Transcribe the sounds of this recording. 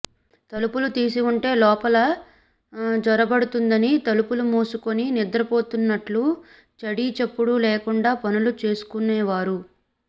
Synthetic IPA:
t̪ɐlupulut̪iːsiuɳʈe̞ːlɔːpɐlɐ | d͡ʒɔɾɐbɐɽut̪und̪ɐnit̪ɐlupulumuːsuko̞ninid̪ɾɐpo̞ːt̪unːɐʈlu | t͡ʃɐɽit͡ʃepːuɽulɛːkuɳɖaːpɐnulut͡ʃe̞ːsu̥kunːɛːʋaːɾu

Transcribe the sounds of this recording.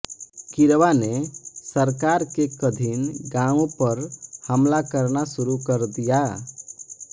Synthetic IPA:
kiɾʋanesəɾkaɾkekəd̪ʱinɡãũpəɾhəmlakəɾnasuɾukəɾd̪ija

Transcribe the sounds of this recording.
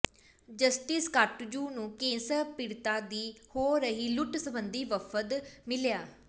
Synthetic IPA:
d͡ʒəsʈɪskaʈd͡ʒuːnũːkẽːsəɾpɪɾt̪aːd̪iːhoːɾəɦiːlʊʈsəbənd̪iːʋəfʰət̪mɪljaː

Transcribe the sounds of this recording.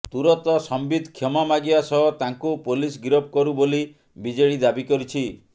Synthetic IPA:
t̪uɾɔt̪ɔsɔmbid̪ʱkʰjɔmamaɡiasɔɦɔt̪aŋkupolisɡiɾɔp̚kɔɾuboli | bid͡ʒeɽid̪abikɔɾit͡ʃʰi

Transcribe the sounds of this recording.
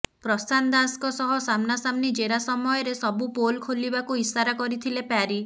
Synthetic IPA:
pɾɔsand̪askɔsɔɦɔsamnasamnid͡ʒeɾasɔmɔjɔɾesɔbupolkʰolibakuɦisaɾakɔɾit̪ʰilepaɾi

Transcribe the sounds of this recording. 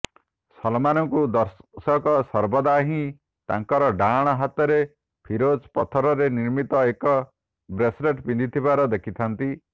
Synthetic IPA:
sɔlmanɔŋkud̪ɔɾsɔkɔsɔɾbɔd̪aɦĩ | t̪a̰ŋkɔɾɔɖaɽ̃ɔɦat̪ɔɾe | pʰiɾod͡ʒpɔt̪ʰɔɾɔɾeniɾmit̪ɔekɔ | bɾesɾeʈpind̪ʱit̪ʰibaɾɔd̪ekʰit̪ʰant̪i

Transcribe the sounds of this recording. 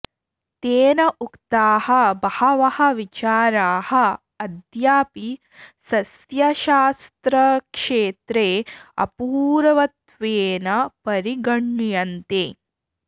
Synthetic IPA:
t̪eːnɐʔukt̪aːhɐbɐhɐʋɐhɐʋit͡ʃaːɾaːhɐ | ɐd̪jaːpi | sɐs | jɐʃaːst̪ɾɐkʂeːt̪ɾeːɐ̰puːɾɐʋɐt̪ʋeːnɐpɐɾiɡɐɳːjɐnt̪eː

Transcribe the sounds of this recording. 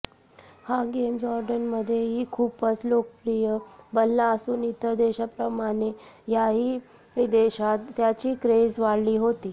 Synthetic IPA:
hãɡemd͡ʑɔɾɖənməd̪ʱːjeɦiːkʰupət͡slokəpɾijəbəlːaəsuːnit̪ʰəɾd̪eɕapɾəmaɽ̃ejaɦiː | ʋid̪eɕat̪ːjat͡ɕiːkɾed͡zʋaɽliːɦot̪iː

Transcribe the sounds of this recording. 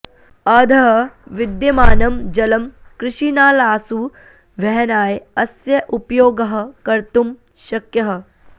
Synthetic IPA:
ɐːd̪ʱɐɦɐʋɪd̪jɐmaːnɐmd͡ʒɐlɐmkɾɪʃiːnaːlaːsu | ʋɛɦɐnaːjɐsjɐʔupjoːɡɐɦɐkɐɾt̪um | ʃɐkjɐɦɐ̆

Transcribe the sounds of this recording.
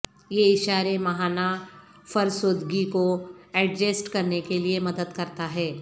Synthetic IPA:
jeɪʃaːɾemɐɦaːna | fɐɾsoːd̪ɡikoɛɖd͡ʒesʈkɐɾnekeliemɐd̪əd̪kɐɾt̪aɦɛː

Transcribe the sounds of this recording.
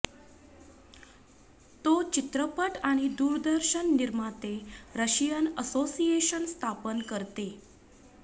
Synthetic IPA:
t̪ot͡ɕit̪ɾəpəʈaɽ̃id̪uːɾd̪əɾɕənːiɾmat̪eɾəɕijənəsosijeɕənst̪ʰapənkəɾt̪e

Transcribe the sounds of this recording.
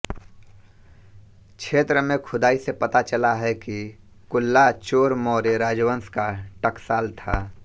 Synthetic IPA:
kʃʰeːt̪ɾəmẽkʰʊd̪aːisepɐt̪at͡ʃəlaɦɛki | kʊlːat͡ʃoːɾmɔːɾeɾaːd͡ʒʋənskaʈəksaːlt̪ʰaː

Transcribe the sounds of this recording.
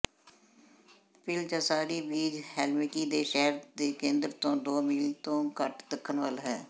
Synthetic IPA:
pɪlt͡ʃəsaːɾiːbiːd͡ʒhɛːlmeːkiːd̪eːʃɛːɾd̪eːkẽːnd̪ɾt̪õːd̪oːmiːlt̪õːkəʈd̪əkʰːənʋəlɦɛː

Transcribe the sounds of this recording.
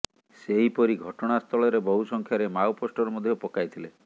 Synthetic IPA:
seɦipɔɾiɡʱɔʈɔɽ̃ast̪ʰɔɭɔɾebɔɦusɔŋkʰjaɾemawpɔsʈɔɾɔmɔd̪ʱjopɔkajt̪ʰile

